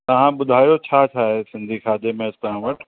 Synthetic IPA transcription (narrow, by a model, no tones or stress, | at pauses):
t̪ɐʋ̤ãɓʊd̪ʱaːjot͡ɕʰaːt͡ɕʰaːɦesɪ̃nd̪ʱixʰaːd̪emẽst̪ɐɦãʋɐʈ